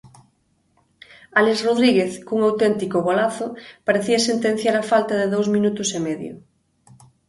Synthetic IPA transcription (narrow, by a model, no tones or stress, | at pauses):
alezroðɾiɣeθkuŋawt̪ɛnt̪ikoβolaθʊpaɾeθiɐsent̪ẽn̟θjaɾafalt̪aðeðowzmĩnut̪ʊsemɛðjʊ̰